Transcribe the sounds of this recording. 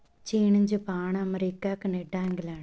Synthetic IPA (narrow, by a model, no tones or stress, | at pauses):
t͡ʃiːɳɨɲd͡ʒɨpaːɳɨɐmɐɾikːaːkːɨneɖaːŋɡilaːɳ